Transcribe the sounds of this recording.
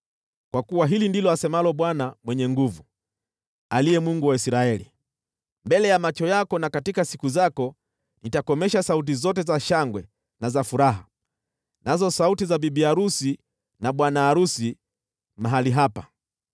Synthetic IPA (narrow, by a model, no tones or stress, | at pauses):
kwakuwaɦilindilɔasɛmalɔɓwanamwɛɲɛŋɡuvu | aliɛmuŋɡuwaisɾaɛlḭ | mbɛlɛjamat͡ʃɔjakɔnakatikasikuzakɔ | nitakɔmɛʃasaut̬izɔt̬ɛzaʃaŋɡwɛ | nazafuɾaɦa | nazɔsautizabibiaɾusi | naɓwanaːɾusi | maɦaliɦapa